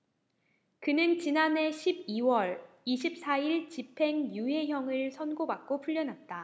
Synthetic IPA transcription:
kɯnɯnt͡ɕinane̞ɕʰib̚iwʌɭ | iɕʰip̚s͈aiɭt͡ɕipʰe̞ŋjuɦe̞ɦjʌŋɯɭsʰʌnɡobak̚k͈opʰuʎːʌnɦat̚t͈a

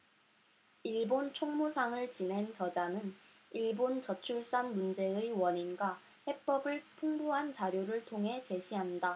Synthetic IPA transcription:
iɭbont͡ɕʰoŋmusʰaŋɯɭt͡ɕine̞nt͡ɕʌd͡ʑanɯn | iɭbont͡ɕʌt͡ɕʰuɭs͈anmund͡ʑe̞ɯiwʌɲinɡwa | he̞p͈ʌbɯɭpʰuŋboɦant͡ɕaɾjoɾɯɭtʰoŋɦe̞t͡ɕe̞ɕʰiɦanda

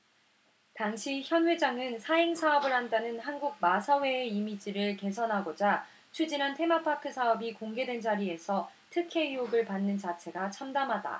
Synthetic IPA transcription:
taŋɕʰiçjʌnwe̞d͡ʑaŋɯnsʰaeŋsʰaʌbɯɭɦandanɯnɦanɡuɡ̚masʰʌwe̞ːimid͡ʑiɾɯɭke̞sʰʌnɦaɡod͡ʑa | t͡ɕʰud͡ʑinɦantʰe̞mapʰakʰɯsʰaʌbikoŋɡe̞dwe̞nd͡ʑaɾie̞sʰʌtʰɯkʰe̞ioɡɯɭpanːɯnt͡ɕat͡ɕʰe̞ɡat͡ɕʰamdamɦada̰

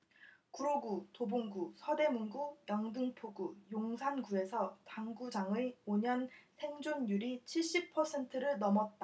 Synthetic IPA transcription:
kuɾoɡutoboŋɡusʰʌde̞munɡujʌŋdɯŋpʰoɡujoŋsʰanɡue̞sʰʌtaŋɡud͡ʑaŋɯoɲʌnsʰe̞ŋd͡ʑonjuɾit͡ɕʰiɭɕ͈ip̚pʰʌsʰe̞ntʰɯɾɯɭnʌmʌt̚t͈a

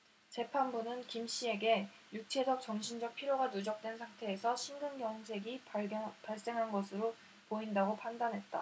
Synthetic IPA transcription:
t͡ɕe̞pʰanbunɯnkimɕ͈ie̞ɡe̞ | juk̚t͡ɕʰe̞sʰʌk̚t͡ɕ͈ʌŋɕʰind͡ʑʌk̚pʰiɾjoɡanud͡ʑʌk̚t͈we̞nsʰaŋtʰe̞ːsʰʌɕʰinɡɯnɡjʌŋsʰe̞ɡipaɭs͈e̞ŋɦanɡʌsʰɯɾo | poindaɡopʰandanɦe̞t̚t͈a

